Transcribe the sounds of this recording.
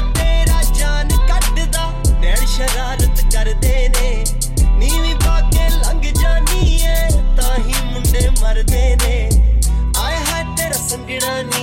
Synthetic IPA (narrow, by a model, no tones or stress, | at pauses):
t̪eːɾaːd͡ʒaːnkəɖ̪d̪aːbɛːɽʃəɾaːɾət̪kəɾd̪eːneː | niːʋiːpaːkeːləŋɡd͡ʒaːniːɛːt̪ãːɦiːmʊneːməɾd̪eːneː | aːeɦaːt̪eːɾaːsəŋɡɪɽaːniː